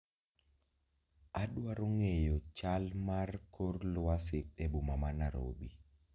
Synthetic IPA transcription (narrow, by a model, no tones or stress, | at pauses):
aɗwaɾoŋejot͡ʃalmarkorlʊasɪk̚ebumamanaɾo̰bḭ